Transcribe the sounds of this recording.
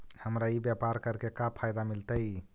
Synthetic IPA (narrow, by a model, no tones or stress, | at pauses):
həmɾaibjapaɾkəɾkekapʰajd̪amilt̪əj